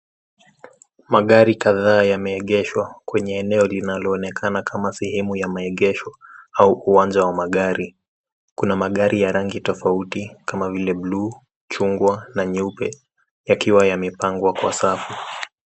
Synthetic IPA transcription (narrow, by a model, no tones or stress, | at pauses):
maɠaɾikaðaːjamɛɛɠɛʃwakwɛɲɛːnɛɔlinalɔːnɛkʰanakʰamasɛhɛmujamaɛɠɛʃɔauuwand͡ʒawamaɠaɾi | kunamaɠaɾijaɾaŋɡitɔfautikamavilɛbluː | t͡ʃuŋɡwanaɲupɛ | jakiwajamɛpaŋɡwakwa̰safu